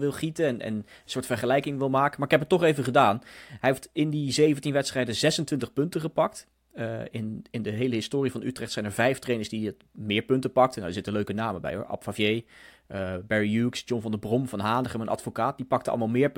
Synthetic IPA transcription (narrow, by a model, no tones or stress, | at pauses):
ʋɪlˠχitəɛnʔɛ̰n | əsʊːɹtfəɹχəlɛjkɪŋʋɪlˠmaːkəmaɹɪkɦɛp̬ətːɔχejvəχədaːnɦɛjɦeftɪndizejvəntinʋɛtstrɛjdəzɛsəntʋɪntəχpɵntəχəpɑk̚t | ɪnɪndəɦejləɦɪstʊːrivɑnytrɛχtsɛjnɛɹvɛjftrejnəɹsdit | mɪːɹpɵntəpɑk̚tənadəz̥ɪtəløɥkənaːməbɛ̰jɦʊ̰ːɹʔɑ̰pfavjej | bɛɹijuksd͡ʒɔnvɑndəbrɔmvɑnɦaːndəχɛnmənʔɑ̰tfokaːt̚dipɑk̚təɑ̰ləmalˠmɪːɹp